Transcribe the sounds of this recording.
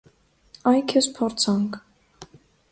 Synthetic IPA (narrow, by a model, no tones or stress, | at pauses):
ɑjkʰɛspʰɔɾt͡sʰɑŋkʰ